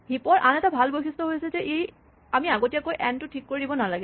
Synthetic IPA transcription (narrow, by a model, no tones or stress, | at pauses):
hipɔɹʔa̰nɛtabʱalbojxʰistɔɦojasɛzɛʔej | amiaɡotijakojʔɛntʊtʰikːoɹidibɔnalaɡɛ